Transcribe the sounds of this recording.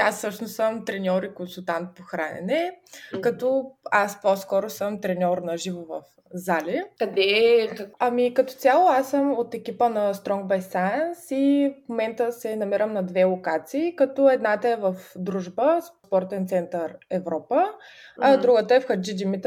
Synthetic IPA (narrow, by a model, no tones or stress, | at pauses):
asːɤʃnʊssəmt̪ɾɛnʲɔɾikonsulˠt̪ant̪̚poxɾanɛ̰nɛkɐt̪ɔasposkɔɾʊsəmt̪ɾɛnʲɔɾnɐʒivovə̰f | zalʲikɐd̪ɛ | ɐmikɐt̪ɔ̥t̪sʲalˠʊasːəmot̪ɛk̟ʲipənɐst̪ɾɔŋɡ̚bɛjsajənsifmomɛnt̪əsɛnɐmiɾəmnɐd̪vɛlˠokat̪siːkɐt̪ɔɛd̪nat̪əɛvəfd̪ɾuʒbəspɔɾt̪ɛnt̪sɛnt̪əɾɛvɾɔpəɐd̪ɾuɡət̪əɛfxɐɾd͡ʒid͡ʒimit̪